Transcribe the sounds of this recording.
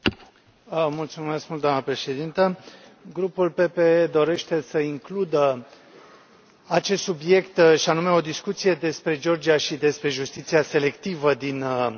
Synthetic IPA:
mult̪sume̞skmult̪d̪oanəpɾe̞ʃe̞d̪int̪əɡɾupulpe̞pe̞ed̪o̞ɾe̞ʃt̪e̞səiŋklud̪ə | at͡ʃe̞st̪subje̞kt̪ʃianume̞o̞d̪iskut̪sije̞d̪e̞spɾe̞d͡ʒeo̞rd͡ʒiaʃid̪e̞spɾe̞ʒust̪it̪siase̞le̞kt̪ivəd̪in

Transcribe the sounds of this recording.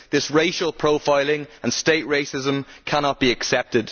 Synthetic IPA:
ðɪsɹeɪʃəlˠpʰɹ̥oʊfaɪlɪ̃ŋə̃nsteɪʔɹeɪsɪzə̃mkʰañɒʔ̚b̥iəksɛp̚tɪd̥

